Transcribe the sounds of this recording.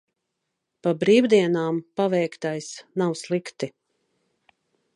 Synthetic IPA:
pabɾiːwd̪iɛnaːmpavɛjkt̪ajsnawslˠikt̪i

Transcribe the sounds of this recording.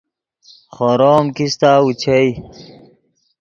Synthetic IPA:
χoɾoːmkist̪aːut͡ɕʰej

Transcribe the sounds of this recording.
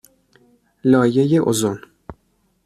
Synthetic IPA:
lɒːjejeʔozon

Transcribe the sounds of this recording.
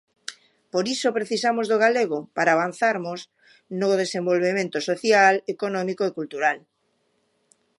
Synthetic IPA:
poɾisopɾeθisamozðoɣ̞aleɣopaɾaːβ̞an̟θaɾmos | noðesembolβemẽnt̪osoθjalekonɔmikoekult̪uɾal

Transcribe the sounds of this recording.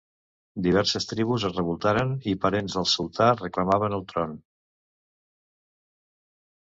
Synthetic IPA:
d̪iβ̞ɛɾsəst̪ɾiβ̞uzəzrəβulˠt̪aɾənipəɾenzðəlˠsulˠt̪arəkləmaβənəlˠt̪ɾɔn

